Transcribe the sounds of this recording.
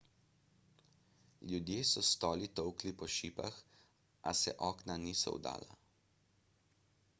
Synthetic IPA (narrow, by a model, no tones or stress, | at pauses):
ljud̪jeːsɔst̪ɔːlit̪ɔwklipɔʃiːpax | ʔasɛʔɔːknaniːsɔ̰w̰d̪a̰ːla̰